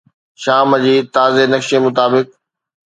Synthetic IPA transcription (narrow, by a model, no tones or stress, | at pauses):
ʃaːməd͡ʑiːt̪aːzenɐkʃemʊt̪aːbɪk̚